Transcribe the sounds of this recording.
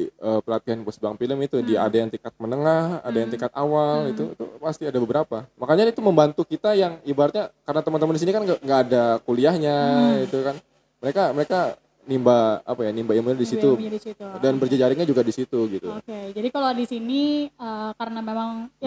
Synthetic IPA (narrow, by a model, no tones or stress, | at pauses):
əːpəlat̪iɦanpəsəbaaŋfiləmit̪udia̰dajaŋt̪iŋkat̪̚mənəŋahha̰dajaŋt̪iŋkat̪̚awalit̪uḭt̪ṵpast̪iadabəbəɾapamakaɲait̪uməmbant̪ukit̪ajaŋibaɾat̪̚ɲakaɾənat̪əmənt̪əməndisinikanɡŋɡaːdakuliahɲaɡit̪ukan | məɾekaməɾeka | nimbaa̰pajanimbajaŋmənadisit̪uisit̪udanbərd͡ʒad͡ʒaɾiŋɲad͡ʒuɡadisit̪uɡit̪uoked͡ʒadikalodisiniəkaɾənamemaŋ